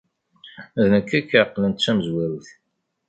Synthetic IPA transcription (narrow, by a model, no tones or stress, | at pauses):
æðnəkːækːaqːlənt̪t͡sːæməzwæɾθ